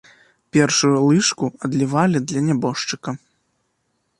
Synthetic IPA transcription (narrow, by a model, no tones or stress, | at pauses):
pʲɛrʂujulˠɨʂkuɐd̪lʲivalʲid̪lʲɐnʲabɔʂt͡ʂɨkɐ